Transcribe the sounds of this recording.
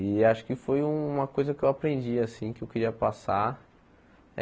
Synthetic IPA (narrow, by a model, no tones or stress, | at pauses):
ɪaʃʊ̥kɪfoj̃ũũmɐkojzɐkɪewapɾẽnd͡ʒiasĩkɪewkeɾiɐpasa